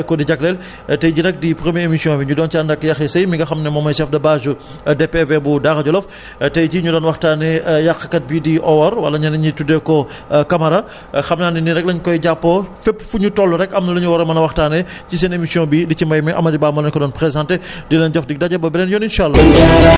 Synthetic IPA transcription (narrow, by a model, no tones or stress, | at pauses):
kɔdiɟɐklɛl | tɛjɟinɛk̚dipɾəmjɛemisijɔ̃ːbiɲudɔːnt͡ʃaːndɐkːjɐxɛsɐjmiŋɡɐxɐmnɛmɔːmɐjsɛfdɐbaːzu | dɛpːɛvɛbudaxɐɟɔlɔf | tɛjciɲudɔːnwɐxtaːnɛjɐxkɐt̚bidiʔɔwɐɾwɐ̰lːɐɲɐnɐɲitudɛkɔ | kɐmɐɾɐ | xɐmnaːniniɾɛk̚lɐɲkɔjɟapːɔfɛpːfuɲutɔlːuɾɛkɐmnɐluɲuwɔɾɐmɐnɐwɐxtaːnɛ | cis̬ɛnemisijɔ̃ːbidicimɐjmɛʔɐ̰mɐdibaːmɔlɐɲkɔdɔːnpɾezãntedilɛnɟɔxdik̚dɐɟɐbɐbɛlɛnjɔninʃalːɐ